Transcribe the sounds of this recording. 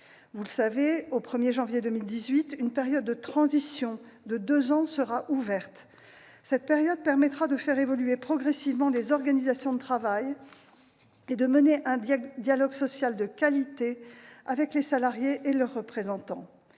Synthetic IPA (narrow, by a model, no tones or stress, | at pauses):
vuləsaveopχəmjeʒɑ̃vjed̪əmild̪izɥit̪ynpeʁjɔd̪̚ːət̪χɑ̃zisjɔ̃d̪əd̪øzɑ̃səʁaʔuvɛʁt̪ | sɛt̪̚peʁjɔd̪̚pɛʁmɛt̪χad̪əfɛʁevɔlyepχɔɡʁɛsivmɑ̃lezɔʁɡanizasjɔ̃d̪ət̪χavaj | ed̪əməneʔɛ̃d̪jalɔɡsɔsjald̪əkʲalit̪eavɛklesalaʁjeʔelœʁːəpχezɑ̃t̪ɑ̃